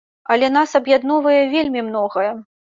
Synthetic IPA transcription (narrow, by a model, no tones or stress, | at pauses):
ɐlʲɛnasɐbjad̪nɔvɐjɛvʲelʲmʲimn̪ɔɣɐjɛ